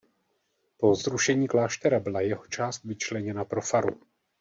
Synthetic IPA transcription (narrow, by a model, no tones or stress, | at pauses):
po̞zɾuʃɛɲiːklaːʃt̪ɛɾabɪlajɛɦo̥t͡ʃaːst̪vɪt͡ʃlɛɲɛnapɾo̞faɾṵ